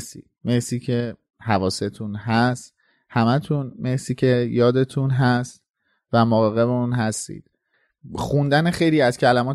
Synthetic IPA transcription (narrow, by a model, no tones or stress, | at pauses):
sḭː | me̞hsiːcʰe̞ | hævɒːse̞t̪ʰunɦæst̪ | hæmæt̪ʰunme̞hsiːcʰe̞jɒːd̪e̞t̪ʰunɦæst̪ | væmoɣɒɣe̞veuːnɦæst̪ḭːd̪̥ | xund̪ænexe̞jliːæzcʰælæmɒːt̪